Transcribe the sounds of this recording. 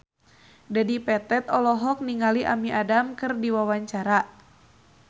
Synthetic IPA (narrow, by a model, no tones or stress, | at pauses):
dadipɛt̪ɛt̪ɔlɔɦɔk̚niŋaliʔa̰miʔadamkɨrdiwawaɲt͡ʃaɾa